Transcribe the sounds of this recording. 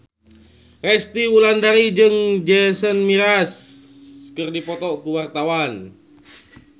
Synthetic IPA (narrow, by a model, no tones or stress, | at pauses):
rɛst̪iwulandaɾid͡ʒɨŋd͡ʒɛsənmiɾas | kɨrdipɔt̪ɔkuwart̪awan